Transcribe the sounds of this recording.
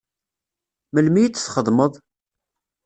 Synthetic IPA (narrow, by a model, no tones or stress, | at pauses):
məlmijt͡sːθχəðˤməðˤ